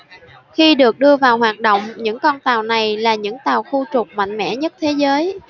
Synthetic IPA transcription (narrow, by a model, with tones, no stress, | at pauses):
xi˧ɗɨ˨˩ək̚ɗɨ˧əvaː˨˩whwaː˨˩t̚ɗo̰˧˨wŋ͡mɲɨ̰˧˥ŋkɔ˧nt̪aː˨˩wna˨˩jlaː˨˩ɲɨ̰˧˥ŋt̪aː˨˩wxu˧t͡ɕʊ˨˩k͡p̚ma̰˧˨jŋ̟mɛ̰˧˥ɲə˦˥t̚t̪ʰe˨˦zəː˨˦j